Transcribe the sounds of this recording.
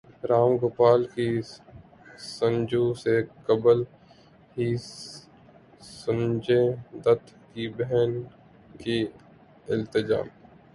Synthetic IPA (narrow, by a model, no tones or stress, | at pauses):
ɾaːmɡʊpaːlki | sə̃nd͡ʒuːsekɐbəl | ɦi | sʊnd͡ʒẽd̪ɐt̪kibɛɦɛn | ki | ɪlt̪ɪd͡ʒa̰ːm